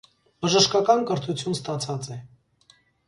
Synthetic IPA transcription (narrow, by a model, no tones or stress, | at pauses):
bəʒəʃkɑkɑnkəɾt̪ʰut͡sʰjunst̪ɑt͡sʰɑt͡sɛ